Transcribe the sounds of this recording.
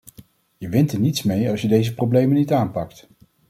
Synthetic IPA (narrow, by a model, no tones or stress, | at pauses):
jəʋɪntəɹnitsmejɑlˠsjədejzəprowblejmənːitaːnpɑk̚t